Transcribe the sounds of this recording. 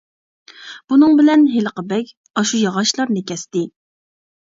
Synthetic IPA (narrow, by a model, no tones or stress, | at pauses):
b̥unɨŋbɪlɛnɦeləqəbɛkʲ | ɑʃujɑʁɑʃlˠɑɾnɪkʲʰɛst̪ɪ